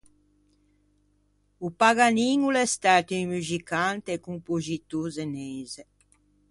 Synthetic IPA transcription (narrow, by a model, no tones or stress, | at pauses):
upaɡaniŋulɛst̪aɾt̪iimyzikant̪eekumpozit̪uzenejze